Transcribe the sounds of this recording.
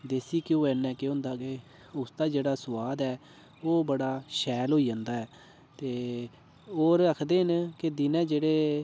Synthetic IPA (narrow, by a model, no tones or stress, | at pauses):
d̪eːsiːkjõːɛːnːɛ̃ːkeːɦʊ̃nd̪aːke | ʊsd̪aːd͡ʒeːɽaːsʊʋaːd̪ɛː | oːbəɽaːʃɛːlɦoːiːd͡ʒãːnd̪aːɦɛː | t̪eː | oːɾəkʰd̪eːɦɪnkɪd̪ɪnɛ̃ːd͡ʒeːɽeː